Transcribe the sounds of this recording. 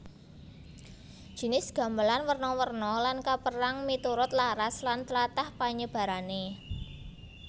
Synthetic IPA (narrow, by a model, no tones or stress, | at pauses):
dʒ̥i̤nɪsɡ̥ä̤mbəlanwərnɔwərnɔlankapəɾaŋmit̪uɾʊt̪laɾaslant̪əlat̪ahpaɲəb̥a̤ɾane